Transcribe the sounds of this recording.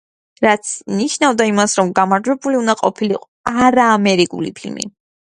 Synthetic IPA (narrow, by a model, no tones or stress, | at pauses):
ɾat̪sʰniʃnavd̪aimasɾɔmɡamaɾd͡ʒwɛbuliund̪aqʼɔpʰilḭqʼɔaɾaːmɛɾikʼṵlḭpʰilmḭ